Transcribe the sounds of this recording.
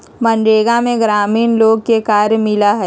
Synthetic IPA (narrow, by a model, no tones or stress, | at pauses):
mɐnɖeːɡamẽɡɾaːmiːnloːɡ̚kekaːɾjmɪlaɦɛː